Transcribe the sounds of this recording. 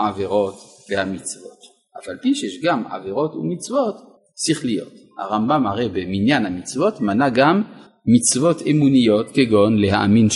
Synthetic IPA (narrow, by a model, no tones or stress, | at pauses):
aveʁo̞t̪ | vehamit͡svo̞̰t̪ | ʔafalpiʃejeʃɡamʕa̰veʁo̞t̪ṵmit͡svo̞t̪ | siχlijo̞̰t̪ha̰ʁambamaʁejbeminjanhamit͡svo̞tmanaɡamː | it͡svo̞t̪emunijo̞t̪keɡo̞nlehaʔa̰min